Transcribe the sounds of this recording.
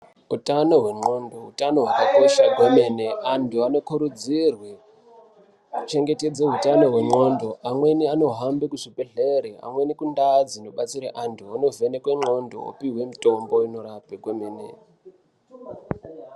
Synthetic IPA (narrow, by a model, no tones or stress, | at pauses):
utano̞ɦwe̞ŋ͡ǃo̞ndo̞ɦutano̞ɦwakakoʃakwemeːneʔantʰuano̞kʰuɾud͡zirwe | kut͡ʃe̞ŋɡe̞te̞d͡zeɦutano̞ɦwe̞ŋ͡ǃo̞ndo̞ʔamwe̞niano̞ɦambekuʂipeɮeɾia̰mwe̞nikundad͡zinoɓat͡siɾaʔantʰuono̞ve̞nekweŋ͡ǃo̞ndo̞̰o̰piɦwe̞mitʼo̞mbo̞ino̞ɾapekwemeːnḛ